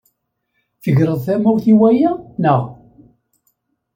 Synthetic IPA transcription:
θəʝɾəðˤθæmuwθiwæjænəʁ

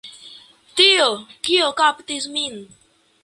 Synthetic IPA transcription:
t̪iokiokapt̪ismin

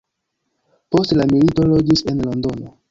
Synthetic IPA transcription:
po̞stlamilito̞lo̞d͡ʒise̞nlo̞ndo̞no̞

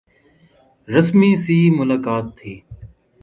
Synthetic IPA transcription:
ɾəsmiːsiːmʊlaːkaːt̪ʰːiː

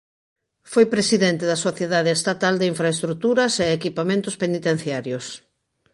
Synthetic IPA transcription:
fojpɾesiðent̪eðɐsoθjeðaðeest̪at̪ald̪eiɱfɾaest̪ɾut̪uɾɐseːkipamẽnt̪ʊspenit̪en̟θjaɾjos

